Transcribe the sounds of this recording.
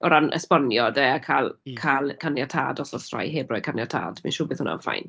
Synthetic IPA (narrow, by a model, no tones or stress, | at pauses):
ɔɾanʔə̰spɔnjɔdeakʰalˠkʰalkʰanjatʰa̰dɔsɔsra̰jɦeːbrɔjkʰanjatʰa̰ːd̥miʃʊːbeːðθhʊna̰fa̰jn